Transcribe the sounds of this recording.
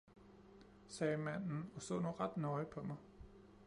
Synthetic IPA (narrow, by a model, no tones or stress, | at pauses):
sɛːmæn̰n̩ɒ̽so̰ːnoːʁɑd̥nɒɪpʰɒ̽mɑ̈ɪ